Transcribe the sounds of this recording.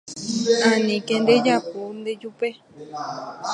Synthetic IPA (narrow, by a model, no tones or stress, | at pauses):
ãnĩkẽnd̪ed͡ʒapond̪ed͡ʒupe